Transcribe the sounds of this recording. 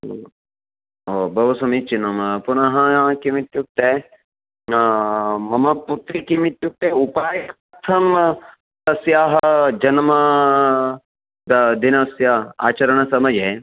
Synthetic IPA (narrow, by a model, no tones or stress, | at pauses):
oːbʱɐʋɐsɐmit͡ʃinɐmpunɐɦɐkimit̪juk̚t̪e | mɐmɐput̪ɾikimit̪juk̚t̪eupaːjɐkpɾɐt̪ʰɐm | t̪ɐsjaːɦɐd͡ʒɐnmɐ | d̪ɐd̪inɐsjɐa̰ːt͡ʃɐɾɐɳ̃ɐsɐmɐje